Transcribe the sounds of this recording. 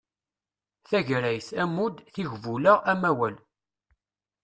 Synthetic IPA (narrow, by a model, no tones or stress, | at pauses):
θæʝɾæjsæmud̪θiʝvuləʁæmæwæl